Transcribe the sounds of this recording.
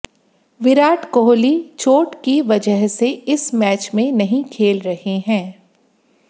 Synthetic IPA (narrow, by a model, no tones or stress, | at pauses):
ʋɪɾaːʈkoːlit͡ʃoːʈkiʋɐd͡ʒəɦseɪsmɛːt͡ʃmẽnɐɦĩkʰeːlɾɐheɦɛ̃ː